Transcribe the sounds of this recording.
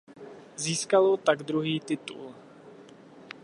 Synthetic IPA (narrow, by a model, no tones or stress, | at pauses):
ziːskalot̪aɡd̪ɾuɦiːt̪ɪt̪ṵl